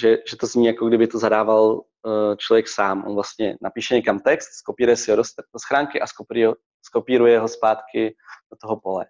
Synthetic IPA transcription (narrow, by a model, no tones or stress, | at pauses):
ʒɛʒɛt̪ozɲiːjakoɡdɪbɪt̪ozadaːval | t͡ʃlovjɛksaːmʔonvlast̪ɲɛnapiːʃɛɲɛkamt̪ɛkst̪skopiːɾujɛsɪodosdosxɾaːŋkɪʔaskopɾ | sko̞piːɾujɛɦo̞spaːt̪kɪd̥ot̪oɦo̞po̞lɛ̰